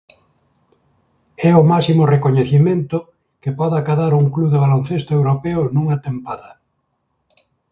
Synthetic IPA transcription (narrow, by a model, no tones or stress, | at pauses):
ɛʊmasimʊrekoɲeθimẽnt̪ʊ | kɪpɔðakaðaɾuŋkluðeβalon̟θest̪ʊewɾopɛʊnũŋat̪empaðɐ